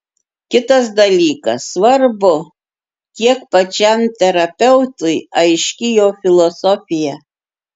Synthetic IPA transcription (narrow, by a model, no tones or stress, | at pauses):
kʲɪt̪ɐs̬d̪ɐlʲiːkɐ̰sʋɐɾbʊ | kʲiɛkpɐt͡ʃʲɛmt̪ʲɛɾɐpʲɛʊt̪ʊɪɐɪʃʲkʲɪjoːfʲɪlˠɔsɔfʲɪjɛ